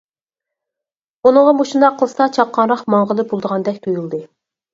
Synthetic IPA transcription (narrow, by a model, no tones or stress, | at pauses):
unɨ̃ŋʁɑmoʃund̪ɑqʰːəlˠɨsɑt͡ʃʰɑqːɑnɾɑχmɑɴʁəlˠɨbolˠd̪əʁɑnd̪ɛk̚ʲt̪ʰujulˠd̪ɨ